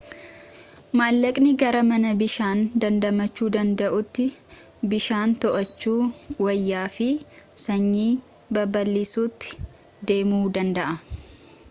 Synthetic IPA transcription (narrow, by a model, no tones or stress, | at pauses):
maːlːɐkʼnɪɡɐɾɐmɐnɐbɪʃaːnd̪ɐnd̪ɐmɐt͡ʃːuːd̪ɐnd̪ɐʔʊt̪ːɪ | bɪʃaːnt̪ɔʔɐt͡ʃːuːwɐjːaːfɪsɐɲːiː | bɐbɐlːiːsuːt̪ːɪ̥ | d̪e̞ːmuːd̪ɐnd̪ɐʔɐ